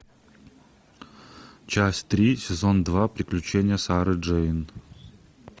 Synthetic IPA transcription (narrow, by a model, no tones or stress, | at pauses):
t͡ɕæsʲt̪ɾʲisʲɪzond̪vapɾʲɪklʲʉt͡ɕenʲɪjəsaɾɨʐɛɪn